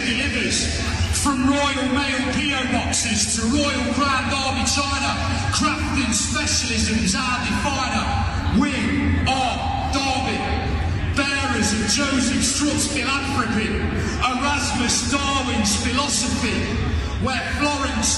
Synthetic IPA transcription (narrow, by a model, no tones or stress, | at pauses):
dɪɪvəz̥ | fɹə̃mɹɔɪəlˠmeɪlpʰiəʊbɒksɪz̥tʰəɹɔɪəlˠɡɹãndɑːvit͡ʃʰaɪnə | kʰɹ̥aptɪ̃nspɛʃəlɪzə̃mzaːbifaɪnə | wɪ̃ | ɑɹk̚ | d̥ɑːvɪ̃n | b̥ɛːɹəzəvd͡ʒoʊzɪfstɹɔˑtfɪlafɹəkɪ̃n | əɹazməsd̥ɑːvɪ̃nz̥fɪlɒsəfi | wə | flɔɹə̃ns